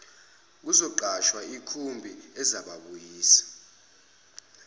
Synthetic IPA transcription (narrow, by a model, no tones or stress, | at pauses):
k̬uzɔǃaʃwaikʰumbʱiɛzaɓaɓujiːsḁ